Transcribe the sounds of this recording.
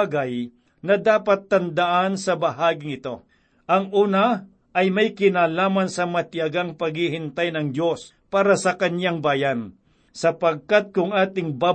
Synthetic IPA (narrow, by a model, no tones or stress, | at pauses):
ɡɐj | nɐd̪aːpɐt̪ːɐnd̪aʔansɐbɐɦaːɡɪŋɪt̪o̞ | ʔɐŋʔuːna | ʔɐjmɐjkɪnaːlaːmɐnsɐmɐt̪jaɡaŋpɐɡhɪhɪnt̪ajnɐŋdos | paːɾɐsɐkɐnjaŋbaːjan | sɐpɐɡ̚kat̪̚kʊŋaːt̪ɪŋbaː